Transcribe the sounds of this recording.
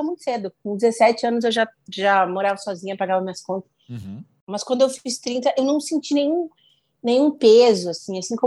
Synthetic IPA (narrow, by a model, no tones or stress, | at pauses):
amũt̪ʊ̥sed̪ʊk̚õd͡ʒɪzesɛt͡ʃɪɐ̃nʊzewʒaʒamoɾavɐsɔzĩɲɐpɾaɡavɐmĩɐskõnt̪ɐ̥s | mɐskwɐ̃nd̪ʊewfist̪ɾĩnt̪ɐʔewnɐ̃w̃sẽnt͡ʃinẽj̃ũ | nẽj̃ɲ̃ũpezʊasĩasĩkõ